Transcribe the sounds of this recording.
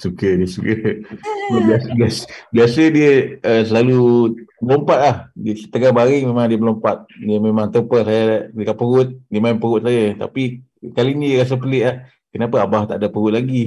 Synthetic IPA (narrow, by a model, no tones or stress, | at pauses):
sukədiəsukə | biasbiasbiasədiəəsəlalubəlompat̪̚lahdiəsət̪əɡahbaɾɪŋmemaŋdiəbəlompat̪̚diəmemaŋt̪əpəsajadəkaʔpəɣʊt̪̚diəmaɪmpəɣʊt̪̚sajət̪a̰pi | kaliniɾas̬əpəlɪʔlah | kənapəabaht̪a̰ʔdapəɣʊʔ̪̚laɡi